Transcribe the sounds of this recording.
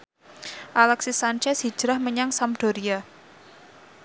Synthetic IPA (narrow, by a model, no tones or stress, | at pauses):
ʔalɛksisant͡ʃɛshi̥d͡ʒ̥ɾahməɲaŋsamɖ̥oɾia